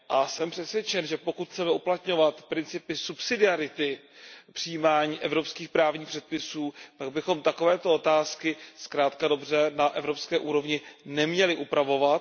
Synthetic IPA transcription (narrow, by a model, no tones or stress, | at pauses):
ʔasɛmpr̝̥ɛt̪svjɛt͡ʃɛnʒɛpo̞kut̪t͡sɛmɛuplat̪ɲo̞vat̪pɾɪnt͡sɪpɪsupsɪdɪaɾɪt̪ɪpr̥ɪjiːmaːɲiːʔɛvɾo̞pskiːxpɾaːvɲiːxpr̥ɛt̪̚pɪsuːt̪aɡ̚bɪxo̞mt̪ako̞vɛːt̪o̞ot̪aːskɪskɾaːt̪kado̞brɛnaʔɛvɾo̞pskɛːʔuːɾo̞vɲɪnɛmɲɛlɪʔupɾavo̞vat̪